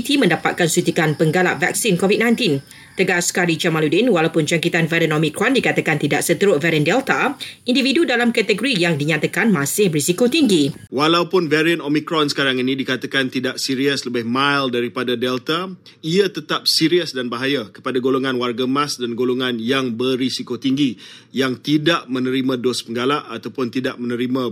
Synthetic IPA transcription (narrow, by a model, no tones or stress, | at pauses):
t̪imə̃ndapa̰t̪̚kansut̪ikanpəŋɡala̰ʔva̰k̚sinkɔvid̚nãj̃nt̪in | t̪əɡaskaɾid͡ʒamaludinwalawpʊnd͡ʒaŋkit̪anvɛɾənɔmikɾɔndikat̪akant̪idaʔsət̪əɾʊtvɛɾiəndɛlt̪aʔĩndividudalamkat̪əɡoɾijaŋdiɲat̪akanmãsɪhbəɾisikot̪iŋɡi | walawpʊnvɛɾiənɔmĩkɾɔnsə̥kaɾaŋinĩdikat̪akant̪idaʔsiɾiəsləbɪhmajldaɾipadadɛlt̪a | iət̪ət̪ap̚siɾiəsdanbaɦajakə̥padaɡoloŋãnwarɡamãsdanɡoloŋãnjaŋbərisikot̪iŋɡi | jaŋt̪idaʔmə̃nə̃ɾimãdɔspəŋɡalaʔat̪awpʊnt̪idaʔmənə̃ɾimã